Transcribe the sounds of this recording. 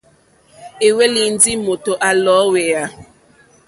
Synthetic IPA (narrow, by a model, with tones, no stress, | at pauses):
e˨we˦li˨n̩˦di˦mo˨to˨ʔa˨lɔ˨˦we˨a˨